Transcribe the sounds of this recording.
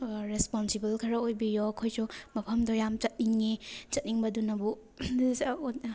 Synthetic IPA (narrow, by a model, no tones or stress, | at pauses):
ɾespɔnsibɐlkʰɐɾɐojbijoɐkʰojsumɐpʰɐmdɔjamt͡ʃɐt̚niŋːit͡ʃɐt̚niŋbɐdunɐbu